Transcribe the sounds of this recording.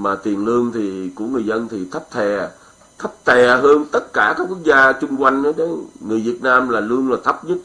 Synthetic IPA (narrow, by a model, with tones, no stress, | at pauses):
maː˨˩t̪wi˨˩ənlɨ˧əŋt̪ʰi˨˩kṵ˧˩əŋɨ˨˩əjzə˧nt̪ʰi˨˩t̪ʰə˦˥p̚t̪ʰɛ˨˩ | t̪ʰə˦˥p̚t̪ʰɛ˨˩ɦəː˧nt̪ə˦˥t̚kaː˧˩kaː˦˥k̚ːwu˦˥ək̚zaː˧t͡ɕʊ˧ŋ͡mkwa˧jŋ̟ʔə˨˦ɗe˨˦ŋɨ˨˩əjvi˨˩ət̚naː˧mlaː˨˩lu˧əŋlaː˨˩t̪ʰə˦˥p̚ɲɨ˦˥t̚